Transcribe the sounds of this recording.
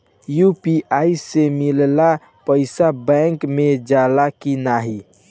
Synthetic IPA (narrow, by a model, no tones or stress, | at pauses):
jupiaːisemɪlla | pəɪsabɛ̃ŋkmẽd͡ʒaːlakinaːɦi